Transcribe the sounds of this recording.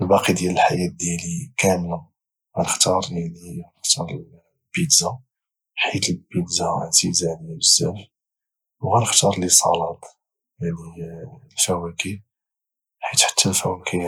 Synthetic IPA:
ʔəlbɑqid̪jæləlħajæt̪̚d̪jælikæmla | ɣænəxt̪ɑɾˤaninəxt̪ɑɾˤəl | bid̪za | ħit̪əlbid̪zant̪izænbəsːæf | wɣænəxt̪ɑɾˤlisˤɑ̰lɑt̪ˤ | jaʕnilfæwæki | ħit̪ħə̥t̪ʰːəlfæwækʰi

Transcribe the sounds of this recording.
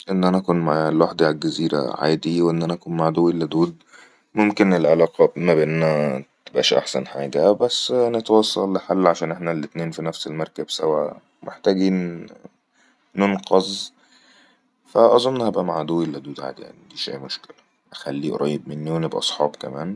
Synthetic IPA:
ʔenːʔænæʔækuːnmaʕlwaħd̪iʕlɡæziːɾæ̰ʕa̰ːd̪iwʔenːʔænæʔækuːnmaʕd̪oːwilːæd̪uːd̪ | momkenelʕelɑːqɑmæbʔenːænæt̪ebʔæ̰ːʃʔa̰ħsæ̰nħa̰ːɡæbæsːnet̪wɑsˤːɑlːħalːʕaʃæːnʔeħnælːet̪neːnfinæfselmɑɾˤkæbsæwæ | meħt̪æːɡiːn | onqɑzˤ | fæʔɑzˤomnhæbʔæmaʕd̪owːilːæd̪uːd̪ʕa̰ːd̪ija̰niɡ̪iːʃʔæ̰ːjmoʃkelæ | ʔæxælːiːʔɾˤɑːjːeb̚menːiwenebʔɑsˤħɑ̰ːbkæmæːn

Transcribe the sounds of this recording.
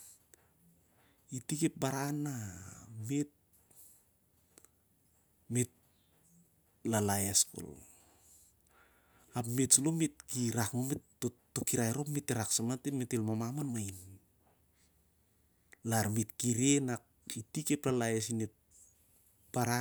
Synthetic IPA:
itike̞p̚baɾanːamet̚ | met̚ | lalajasko̰l | apmetsulomet̚kiɾakmometː | o | okiɾajɾopmetːeɾaksamatemetelmamamanmajin | laɾmetkiɾenak̚ | itikeplalajasinet̚ | b̥aɾa

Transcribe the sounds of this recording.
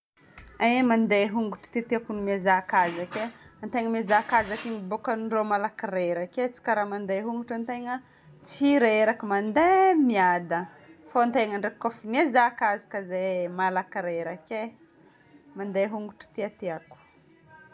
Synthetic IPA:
amand̪eɦuŋɡuʈ͡ʂu̥t̪iat̪eakunimezakazakeant̪eŋəmezakazakiŋibokənɖ͡ʐomalakiɾeɾaket͡si̥kaɾamand̪eɦuŋɡuʈ͡ʂant̪eŋə | t͡siɾaeɾakəmand̪emiad̪ə | foant̪eŋəɳɖ͡ʐep̚kofinezakazḁkəzemalakiɾeɾake | mand̪eɦuŋɡuʈ͡ʂi̥t̪iat̪eaku̥

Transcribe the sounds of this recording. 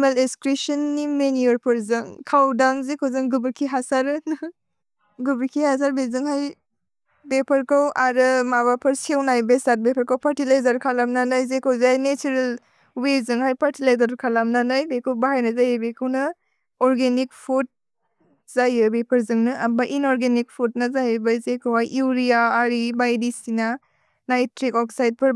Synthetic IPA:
meleskɾisɐnːimenijɔɾpʰɯɾzɯŋkʰawdaŋzekʰowzɯŋɡubɾkʰiɦasaɾɯnɯ | ɡubɾkʰihas̬aɾbezɯŋhaj | bepʰɐɾkʰawʔaɾɯmaβapʰɐɾsiewnajbesat̚bepʰɐɾkʰawpʰaɾtilajzaɾkʰalamnanajzekʰowzajnet͡ʃuɾel | wezɯŋhajpʰaɾtilajzaɾkʰalamnanajbekʰɯwbaɦajnɐzajebekʰɯwnɐ | ɔɾɡenik̚pʰut̚ | zajɯbepʰɐɾzɯŋnɯʔɐmaʔinɔɾɡenik̚pʰut̚nɐzajebazekʰawhajʔiwɾiaːɾibajdisina | najtɾikɔksajt̚pʰɯɾ

